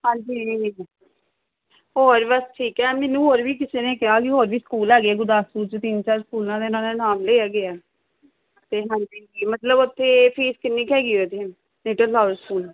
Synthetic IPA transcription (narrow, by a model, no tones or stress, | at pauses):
ɦãːɲd͡ʒiː | ɦoːɾbəsʈʰiːkɛːmɛːnũːɦoːɾʋiːk̬ɪsenẽːkɪaːkɪɦoːɾʋiːskuːlɛːɡeaːɡʊɾd̪aːsuːt͡ʃt̪int͡ʃaːɾskuːlãːd̪eːnãːd̪eːnaːmleːaːɡeaː | t̪eːɦãːɲd͡ʒid͡ʒiːmət̪ləbʊt̪ʰːeːpʰiːskɪnːiːkɦɛːɡiːot̪ʰeː | neːʈəllaːəɾskuːl